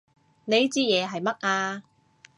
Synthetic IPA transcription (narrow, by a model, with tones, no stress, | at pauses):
ne˨˧jt͡siː˥jɛː˨˧ɦɐ˨jmɐ˥t̚ʔaː˧